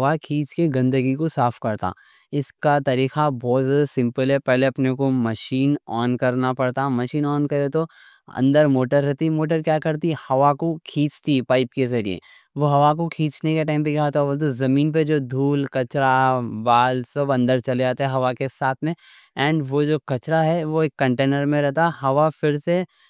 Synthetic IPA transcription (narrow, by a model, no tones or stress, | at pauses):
ʋakʰiːt͡ʃkeɡɐ̃nd̪əɡikosaːfkɐɾt̪a̰ː | ɪskat̪ɐɾiːxabɔːt̪sɪ̃mpəlɦɛpɛɦleɐpnekomɐʃiːnɔːnkɐɾnapɐɽt̪amɐʃiːnɔːnkɐɾet̪o | ɐ̰̃nd̪əɾmoːʈəɾɦɛɦt̪imoːʈ̬əɾkjaːkɐɾt̪ihɐʋakokʰĩːt͡ʃt̪ipaːɪpkezɐɾḭḛ | ʋoɦɐʋakokʰĩːt͡ʃnekeʈãːɪ̃mpekʰaːt̪bɐt̪ozɐmĩːnp̬ed͡ʒoːd̪ʱuːlkɐt͡ʃɾabaːlsɐbɐ̃nd̪əɾt͡ʃɐled͡ʒaːt̪eɦɛɦɐʋakesaːt̪ʰmẽ | ɛ̃ːɳɖʋod͡ʒoːkɐt͡ʃɾaɦɛʋoekːɐ̃ɳʈeːnəɾmẽɾɛɦt̪aɦɐʋafɪɾse